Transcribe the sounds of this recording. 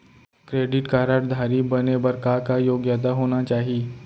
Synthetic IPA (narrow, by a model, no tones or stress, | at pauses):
kɾeɖɪʈkaɾaʈd̪ʱaɾibənebəɾkakajoːɡjat̪̬aɦoñat͡ʃaːɦie